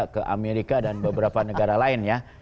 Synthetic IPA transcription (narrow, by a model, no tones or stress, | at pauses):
akəʔa̰meɾikadanbəbəɾapanəɡaɾalaɪnja